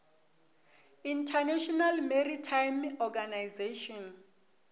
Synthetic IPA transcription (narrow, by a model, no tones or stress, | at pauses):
intʰanɛʃɔnalmeritʰajmɔɡanajzeʃɔn